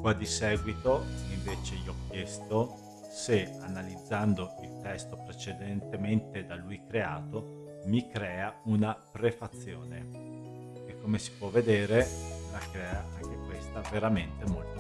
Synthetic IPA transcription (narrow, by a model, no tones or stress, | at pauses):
kwad̪isɛːɡwit̪oiɱveːt͡ʃeiɔk̟ːjɛst̪o | seanalid̪zːand̪oilt̪ɛst̪opɾet͡ʃed̪ent̪ement̪ed̪alujkɾeaːt̪o | mikɾɛːaunapɾefat̪sːjo̰ːnḛ | ekːomesi̥pwɔvːed̪eːɾelakɾɛːaaŋk̟ekwest̪aveɾament̪emolt̪o